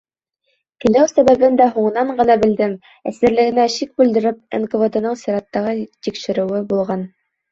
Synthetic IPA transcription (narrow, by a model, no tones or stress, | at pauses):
kɘ̆læwsæβæβɘnd̪æɦuɴɤ̆nɑɴɢɤ̆nɑbɘ̆ld̪ɘm | æsɘ̆ɾlɘ̆ɡɘ̆næʃik̚bʉld̪ɘ̆ɾɘp̚ḛnɡovod̪ɤ̆nɤɴsiɾɑt̪ːɑʁɤt̪ikʃɘ̆ɾɘ̆wɘbulˠʁɑn